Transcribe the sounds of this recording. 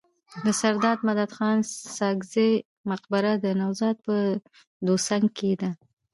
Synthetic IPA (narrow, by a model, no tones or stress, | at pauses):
d̪əsaɾd̪ɑd̪mad̪ad̪xɑnsɑɡze | maqbaɾad̪ənawzɑd̪̚pə | d̪osaŋked̪a